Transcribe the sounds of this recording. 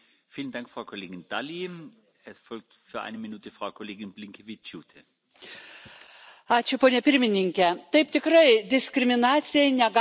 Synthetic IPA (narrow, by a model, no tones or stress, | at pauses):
fiːlənd̥aŋkfʁ̥aʊkʰɔleːɡɪnd̥ali | ɛsfɔlk̚tfyːɐʔa̰ɪnəminuːtʰəfʁ̥aʊkʰɔleːɡɪnblɪŋkʰevɪjuːtʰə | ɑːt͡ʃʲʊpoːnʲɛpʲɪɾʲmʲɪnʲɪŋʲkʲɛt̪ɐɪp̚t̪ʲɪkɾɐɪd̪ʲɪsʲkɾʲɪmʲɪnɑːt̪sʲɪjɛɪnʲɛɡɑ